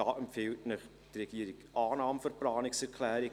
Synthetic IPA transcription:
ɑːʔəmpfɪltnəχ | d̥rɛɡ̥iːəɾɪkʔɑːnɑːmfərplɑːnɪksɛɾkʰlɛːɾɪ

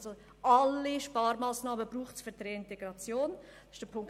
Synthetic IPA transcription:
zo | ɑlːiʃpɑːɾmaːsnɑːməb̥ɾuːχtsfyɾdɾeɪnteɡ̥ɾɑt͡sjoːn | d̥ɑsɪʃd̥əpʰʊŋk

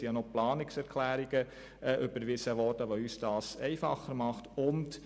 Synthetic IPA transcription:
ijɑnoplɑːnɪksɛɾkʰlæːɾiɡ̥ə | ɛʔʏbəɾʋɪsəʋɔɾdəʋoyːsd̥ɑːsɛɪfɑχəɾmɑχtʊnt

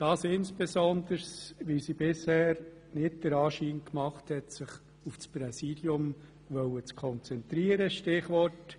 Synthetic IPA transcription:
d̥ɑːsɪnsb̥ɛsɔnd̪əɾsʋisibɪshɛːɾ | nɪt̚d̥əɾɑːʃiːnkmɑχthɛtsɪχ | ufspɾɛsidjʊm | ʋœwət͡skʰɔnt͡sɛnt̪ɾiəɾəʃtɪχʋɔrt

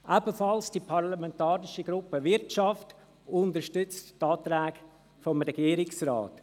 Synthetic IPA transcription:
ʔæbəfɑlsd̥ipʰɑʁlamɛntɑːɾɪʃəɡɾʊpəʋɪɾtt͡ʃɑft | ʊndəɾʃtʏt͡sttːɑːt̪ɾɛːɡ̥ | fɔmɾɛɡ̥iːɾɪksrɑ̰ːt

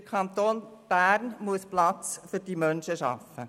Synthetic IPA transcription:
kʰχɑnt̪oːnb̥æːɾnmuəsplɑt͡sfʏɾd̥imœnʃəʃɑ̰fːə

